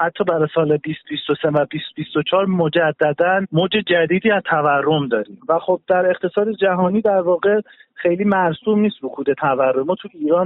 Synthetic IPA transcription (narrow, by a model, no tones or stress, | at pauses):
hæt̪ʰːɒːbæɾɒjsɒːlebist̪bist̪osemvæbist̪bist̪o̞t͡ʃʰɒːɾmod͡ʒæd̪ːæd̪ænmoːd͡ʒe̞d͡ʒæd̪iːd̪iːæz̥t̪ʰæværːo̞md̪ɒːɾiːmvæxob̚d̪æɾe̞χt̪ʰe̞sɒːd̪ed͡ʒæɦɒːniːd̪æɾvɒːɣe̞xe̞jliːmæɾsuːmniːst̪ɾukʰuːd̪e̞t̪ʰæværːommɒːt̪ʰuiːɾɒːn